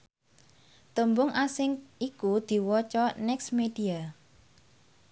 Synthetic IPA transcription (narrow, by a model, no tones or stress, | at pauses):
t̪əmbʊŋʔasɪŋikud̪̥i̤wɔt͡ʃɔnɛksmed̥ia